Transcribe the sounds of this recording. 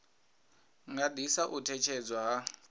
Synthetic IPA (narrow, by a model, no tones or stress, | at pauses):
ŋɡadʱisaʔutʰɛt͡ʃʰɛd͡zwaɦa